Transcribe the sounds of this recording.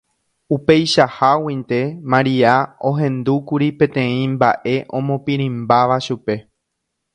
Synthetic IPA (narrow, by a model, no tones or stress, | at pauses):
upe̞jʃahawĩnt̪e̞mãɾiaõ̞ɦẽ̞nd̪ukuɾipẽ̞t̪ẽ̞ĩmbaʔe̞ʔõ̞mõpĩɾ̃ĩmbaʋaʃupe̞